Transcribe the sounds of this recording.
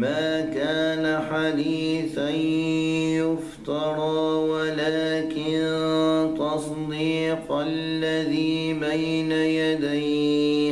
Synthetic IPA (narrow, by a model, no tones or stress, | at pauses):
maːkaːnaħad̪iːθanjʊft̪ɑɾˤɑːwalaːkɪnt̪ɑs | d̪iːqlːaðiːbajnajad̪aj